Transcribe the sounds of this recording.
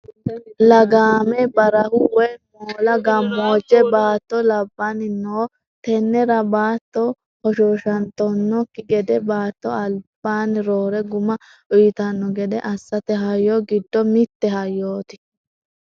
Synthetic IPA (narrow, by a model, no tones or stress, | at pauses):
lɐɡaːmɛbɐɾɐhʊwɛmoːlɐɡɐmːoːd͡ʒːɛbaːt̪ːɔlɐbːanɪnoː | t̪ɛnːɛɾɐbaːt̪ːɔ | hɔʃoːʃɐnt̪ːɔnːɔkːɪɡɛd̪ɛbaːt̪ːɔɐlb̥aːnɪɾoːɾɛɡʊmɐ | ʔʊjɪt̪ɐnːɔɡɛd̪ɛʔɐsːɐt̪ɛɦɐjːoːɡɪd̪ːɔmɪt̪ːɛɦɐjːoːt̪ɪ̥